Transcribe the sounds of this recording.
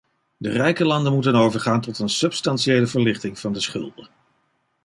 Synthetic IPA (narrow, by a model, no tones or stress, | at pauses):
dərɛjkəlɑndənmutənowvəɹχaːntɔtənsɵpstɑnsiejləvəɹlɪχtɪŋv̥ɑndəsχɵ̰lˠdə